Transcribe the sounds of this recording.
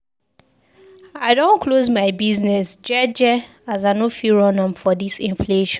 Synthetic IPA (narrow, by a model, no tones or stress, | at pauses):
aɪdõnkʰlozmaɪbiznɛsd͡ʒɛd͡ʒɛ | azaɪnofiɹɔnɔ̃mfɔðisĩɱfleʃɔ̃n